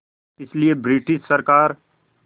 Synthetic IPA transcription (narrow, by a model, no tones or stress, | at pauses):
ɪsliebɾɪʈɪʃsɐɾkaːɾ